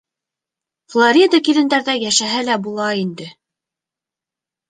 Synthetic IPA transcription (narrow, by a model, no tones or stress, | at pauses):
flˠoɾʲid̪akilɘ̆nd̪æɾðæjæʃæɦælæbulˠɑind̪ɘ